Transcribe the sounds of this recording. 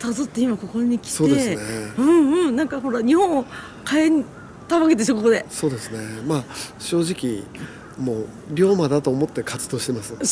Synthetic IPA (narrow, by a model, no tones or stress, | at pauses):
t̪azot̪ːeimako̞ko̞ɲ̟ikʲi̥so̞ːd̪de̞ɨneɯ̟̃ɴɯ̟̃ɴnãŋkaɦo̞ɾaɲ̟ihõɰ̃o | kaeɲ̟i | t̪aβake̞t̪eɕokokod̪e̞so̞ːd̪e̞sɨne̞maɕo̞ːʑikʲi | moː | ɾʲo̞ːmad̪at̪o̞ːmo̞t̪ːe̞kat͡sɨ̥d̪o̞ːɕi̥t̪e̞masɨ